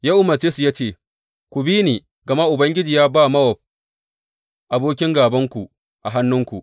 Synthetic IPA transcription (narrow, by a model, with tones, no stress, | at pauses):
jaː˦ʔʊ˦mɐ˨t͡ʃeː˦su˨jaː˦t͡ʃeː˦˨ | kʷu˨biː˦niː˨ | ɡɐ˨ma˦ʔʊ˨bɐ˦ŋɡʲɪ˦d͡ʒiː˨jaː˦baː˦mɐ˦wɔ˨ɸ̚ | ʔa˨boː˦kʲɪ˦ŋɡaː˨bɐ˦ŋkʷu˨ | ʔa˨ɦa˦nːʊ˦ŋkʷṵ˨ʔ